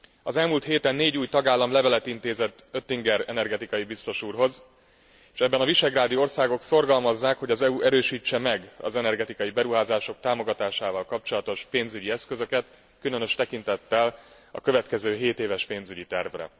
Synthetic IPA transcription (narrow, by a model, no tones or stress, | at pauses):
ɒzɛlmuːlt̪heːt̪ɛnːeːɟuːjt̪ɒɡaːlːɒmlɛvɛlɛt̪int̪eːzɛt̪ː | øt̪ːiŋɡɛɾɛnɛrɡɛt̪ikɒjibist̪o̞ʃuːrɦo̞z | eʃɛbːɛnɒviʃɛɡraːd̪io̞rsaːɡo̞kso̞rɡɒlmɒzːaːkho̞ɟɒzɛuʔɛɾøːʃiːt͡ʃːɛmɛɡɒ̰zɛnɛrɡɛt̪ikɒjibɛɾuɦaːzaːʃo̞k̚t̪aːmo̞ɡɒt̪aːʃaːvɒlkɒp̚t͡ʃo̞lɒt̪o̞ʃpeːnzyɟiɛskøzø̞kɛt̪ | kylø̞nø̞ʃt̪ɛkint̪ɛt̪ːɛl | ɒ̰kø̞vɛt̪kɛzøːɦeːt̪eːvɛʃpeːnzyɟit̪ɛrvrɛ̰